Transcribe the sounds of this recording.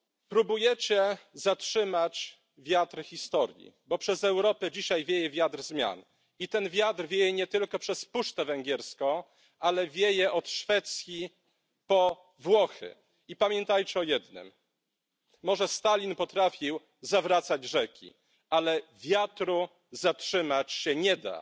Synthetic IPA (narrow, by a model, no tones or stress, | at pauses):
pɾubujɛt͡ɕɛzatʂɘmat͡ɕ | vʲjat̪ɾxʲist̪ɔɾʲjḭbɔpʂɛzɛwɾɔpɛd͡ʑiɕajvʲjejɛvʲjat̪rzmʲja̰n | it̪ɛnvʲjat̪ɾvʲjejɛɲɛt̪ɘlkɔpʂɛspuʂt̪ɛvɛŋɡʲɛɾskɔ̃ | alɛvʲjejɛʔɔt̪ʂfɛt̪sʲji | pɔ | vwɔxɘ̰ | ipamʲjɛnt̪ajt͡ɕɛɔjɛd̪nɘ̰mː | ɔʐɛst̪alʲinpɔt̪ɾafʲiw | zavɾat̪sad͡ʑʐɛkʲḭ | alɛvʲjat̪ɾu | zatʂɘmat͡ɕɕɛɲɛd̪a̰